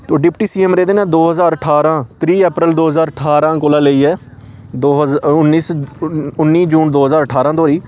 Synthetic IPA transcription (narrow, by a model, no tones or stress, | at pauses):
t̪oːɖɪpʈiːsiːɛmɾeːd̪eːnãːd̪oːɦəzaːɾəʈʰaːɾãːt̪ɾiːɛːpɾəld̪oːɦəzaːɾəʈʰaːɾãːkoːlaːləiːɛː | d̪oːʊnːiːsʊnːiːd͡ʒuːnd̪oːɦəzaːɾəʈʰaːɾãːd̪oːɾiː